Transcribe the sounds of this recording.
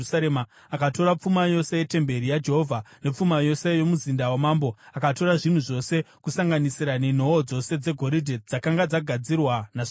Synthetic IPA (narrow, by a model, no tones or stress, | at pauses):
saɾemaː | kato̞ɾap͡fumajo̞se̞je̞te̞mbe̞ɾijad͡ʒe̞ɦovʱane̞p͡fumajo̞se̞jo̞muzindawemaːmbo̞akato̞ɾaʐin̤uʐo̞se̞ | kusaŋɡanisiɾanen̤o̞ːd͡zo̞se̞d͡ze̞ɡʱo̞ɾidʱed͡zakaŋɡad͡zaɡʱad͡zirwanaʐ